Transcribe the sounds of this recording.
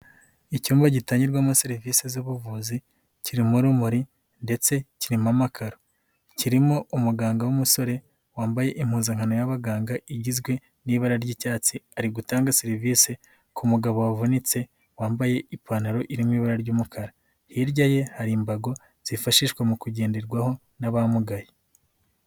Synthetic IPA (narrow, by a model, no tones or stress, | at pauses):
icuːmbaɟitaːɲɟiɾɡwamuseɾiviːsezuβuvuːzi | ciɾimuɾumuɾi | nde̞t͡se̞ciɾimamakʰaɾo | ciɾimoumuɡaːŋɡawumuso̞ɾe̞ | waːmbaje̞ʔim̥huːnzaŋhano̞jaβaɡaːŋɡaʔiɟizɡwe̞ | niːβaɾaɾɟiːcaːt͡siaɾiɡutaːŋɡasiɾiviːse̞ | kʰumuɡaβoavonit͡se̞ | waːmbaje̞ipʰaːnaɾo̞ʔiɾimwiːβaɾaɾɟuːmukʰaɾa | hiɾɟaje̞haɾimbaɡo̞ | z̥ifaʃiːʃkwamukuɟe̞ːndeɾɡwaho̞ | naβamuɡaje